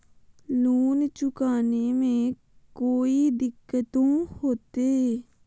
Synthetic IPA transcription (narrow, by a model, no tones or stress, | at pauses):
luːnt͡ʃʊkaːnemẽː | koːiːd̪ɪkːət̪õːhoːt̪eː